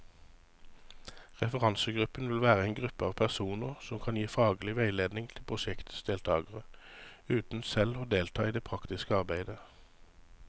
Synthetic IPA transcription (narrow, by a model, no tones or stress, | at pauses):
ʁɛfəʁɑnsəɡʁʉpənʋɪlʋæːʁəeɪnɡʁʉpəɑːʋpʰæʁsuːnəʁsɔmkʰɑnjiːfɑːɡəlɪʋæɪleːd̪nɪŋt̪ʰɪlpʰʁʊʃɛkt̪sd̪eːlt̪ʰɑːɡəʁəʉːt̪n̩sɛloːd̪eːlt̪ʰɑːiːd̪eːpʰʁɑkt̪ɪskəɑʁbæɪd̪ə